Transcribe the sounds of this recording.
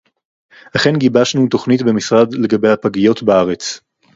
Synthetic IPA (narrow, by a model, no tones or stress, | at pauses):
haχe̞nɡibaʃnut̪o̞χnitbe̞misʁad̪le̞ɡabe̞jhapaɡijo̞tbaaʁet͡s